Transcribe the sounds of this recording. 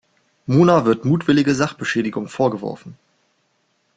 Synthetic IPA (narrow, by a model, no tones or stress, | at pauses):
muːnavɪɐtmuːtv̥ɪlɪɡəzaχb̥əʃɛːdɪɡʊŋfoːɐɡəvɔ̰ɐfn̩